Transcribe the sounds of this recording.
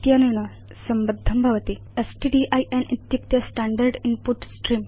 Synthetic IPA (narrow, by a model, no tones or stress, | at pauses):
t̪januɳɐ | sɐmbɐd̪ʱːɐmbʱɐʋɐt̪i | esʈiɖiʔajʔenʔit̪jup̚t̪jɐsʈaɳɖɐɾɖinpuʈsʈɾim